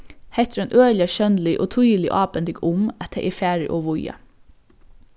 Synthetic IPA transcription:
heɪt̪ʰɾɑnʔøːlɪəʃœnlɪʔo̰ːt̪ʰʊjlɪʔɑːbənd̪ɪɡʊmɛt̪ʰəʔifæːɹəʔoːʋʊjɑ̰

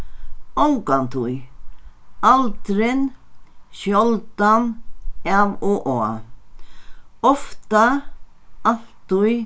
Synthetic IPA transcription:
ɔŋkant̪ʰʊj | alt̪ɾɪnʃjɔlt̪anɛvɔʔɔa | ɔft̪a | al̥t̪ːʊj

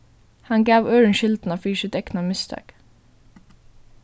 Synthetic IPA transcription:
hɑŋɡæːʋøːɹənʃɪld̪n̩ɑːfɹiːʃɪt̪ɛknɑmɪst̪ʰɑ̰k

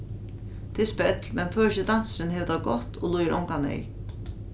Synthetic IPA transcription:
t̪ʰɪspɛt̪lmɛnføːɕɪd̪an̥sɪnhɛʋd̪aɡɔht̪ɔlujɪɾʔɔ̰ŋkanɛ̰j

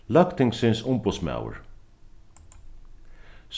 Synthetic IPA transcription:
lœkt̪ɪŋksɪnsʊmpʊsma̰w̰ɹ | s

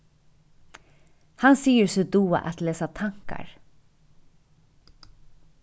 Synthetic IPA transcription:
hɑnsiːəɹsɔd̪uːə̰ʔɑt̪leːsat̪ʰɑŋka̰ɹ

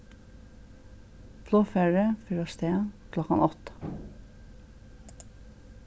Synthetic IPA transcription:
fʰloːfeɹəfyɾɔst̪ʰeːkʰlɔkɑ̰nʔɔt̪

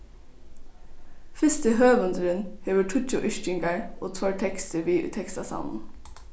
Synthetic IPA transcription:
fɪst̪əɦøːʋənd̪əɾənheːʋəʈʰʊc͡çʊʔʏʃcʏŋɡɑɹʔo̰ːt̪ʰʋɔɹʈʰɛkst̪əʋiːʔʉ̰ːt̪ʰɛkst̪ɑsɑ̰ʊnn̩

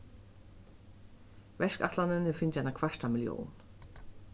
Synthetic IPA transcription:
vɛʂka̰t̪lanɪnɪfɪɲt͡ɕajnakʰv̥aʂtamɪljo̰ːwn

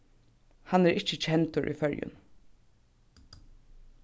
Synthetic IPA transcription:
hanːɛɾɪt͡ʃət͡ʃʰɛnt̪ʊɹʔḭfœɹjʊ̰n

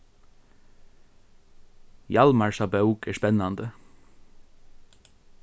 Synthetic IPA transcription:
jɑlmɑɹsɑːbɑʉkæːʃpɛnɑnd̪ə

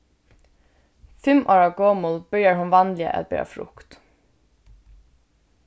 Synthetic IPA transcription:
fɪmʔoːɹɑʋɡoːmʊlbʏɾjəɹhʊnʋɑnlɪə̰ʔɛ̰t̪̚bɛ̰ɑ̰fɾʊ̰kt̪

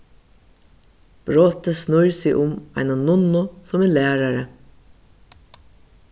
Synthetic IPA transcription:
b̥ɾoːt̪əsnʊjɹsɪʔʊma̰ɪnanʊnʊsʊmɛːlæːɾaɾə

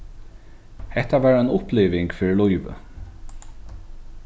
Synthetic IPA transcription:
hɛht̪aʋæːɹaɪnʊplɪːʋɪŋkfɪːɻɪlɔjvə̰

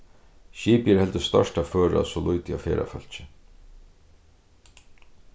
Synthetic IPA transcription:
ɕiːpjəhɛlt̪əst̪œ̰ʂʈaføːɹa̰sɔlujt̪ɪa̰fɛːɾʔa̰fœl̥t͡ʃɪ

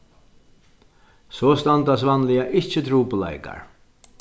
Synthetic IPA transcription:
sɔːst̪ant̪asʋanlɪaʔɪt͡ʃət̪ʰɾuːpʊla̰jka̰ɹ

